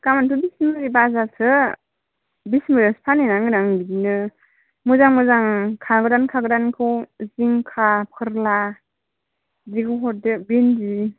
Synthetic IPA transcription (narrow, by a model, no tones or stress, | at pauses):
kamantʰubismɯɾibazasʰɯ | bismɯɾaspʰanenaŋɡɯnaŋbidinɯ | mɯzaŋmɯzaŋkʰaɡɯɾankʰaɡɯɾankʰɯwziŋkʰapʰɯɾla | ziɡɯɦɔt̚dɯbenzi